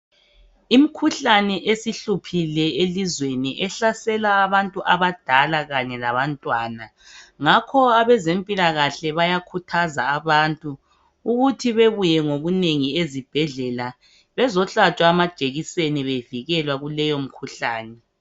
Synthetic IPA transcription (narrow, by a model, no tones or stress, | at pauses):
im̩kʰuɬanɛʔesiɬupʰilɛelizweniʔɛɬasɛlaːβantʼuʔaβad̥ʱalaɣaɲɛlaβantʼwaːna | ŋakʰɔaβɛzempʼilaɣaɬɛβajakʰutʰazaːβantʼuː | ɣutʰiβeβujɛŋoɣuneŋiezib̥ʱɛɮɛla | βɛzɔɬat͡ʃʼwaːmad̥ʒ̥ʱeɣiseniβeviɣɛlwaɣulɛjom̩kʰuɬaːnɛ